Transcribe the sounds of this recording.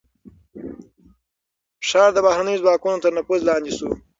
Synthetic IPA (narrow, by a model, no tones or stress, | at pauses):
fʃɑːɾd̪əbahɾanəjozwɑːkunot̪əɾnapuzlɑːnd̪isṵ